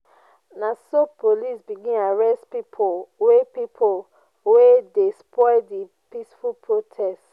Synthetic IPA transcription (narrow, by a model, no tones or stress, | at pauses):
nasopʰolisbiɡĩnaɹɛstpipʰowepipʰol | wedespɔdi | pisfulpʰɹotʰɛst